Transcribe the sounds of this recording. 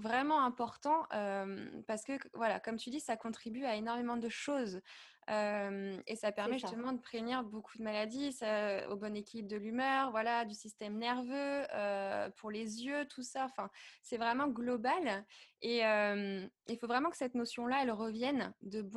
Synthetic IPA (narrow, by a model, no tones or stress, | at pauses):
vʁɛmɑ̃ɛ̃pɔʁt̪ɑ̃ʔømpaʁsə̥kəvwala̰kɔmt̪ʰyd̪isakɔ̃t̪χibyaenɔʁmemɑ̃d̪əʃoz | ømesapɛʁmɛʒyst̪əmɑ̃d̪əpχevniʁbokʰud̪əmalad̪isao̰bɔnekʲilibd̪əlymœʁvwalad̪ysist̪ɛmnɛʁvøøpʰuʁlezjøt̪ʰusaɑ̃fɛ̃sɛvʁɛmɑ̃ɡlɔbaleømilfovʁɛmɑ̃kə̥sɛt̪nosjɔ̃laɛlʁəvjɛnd̪əb